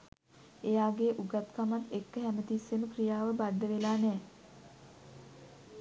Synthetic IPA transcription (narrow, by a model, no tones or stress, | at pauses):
ejaːɡeːʔuɡat̪kamat̪ːekːəɦæmət̪isːeməkrijaːʋəbad̪ːəʋelaːnɛː